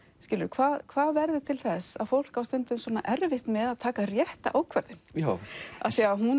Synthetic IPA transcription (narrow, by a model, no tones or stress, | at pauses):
scɪːlʏɾʏkʰv̥aːðkʰvaːðvɛɾðʏt̪ʰɪlθɛsa̰ðfowl̥kawst̪ʏnt̪ʏmsvɔːna̰ʔɛɾvɪht̪nmɛðaðt̪ʰaːkarjɛht̪a̰ʔaːwkʰvɛɾðɪn | a̰ðsɛaɦun